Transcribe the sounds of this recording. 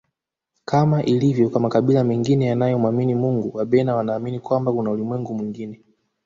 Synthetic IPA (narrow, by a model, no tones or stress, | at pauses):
kamaʔilivjɔkwamakaɓilamɛŋɡinɛjanajɔmwaminimuŋɡuwaɓɛnawanaːminikwambakunaulimwɛŋɡumwiŋɡinɛ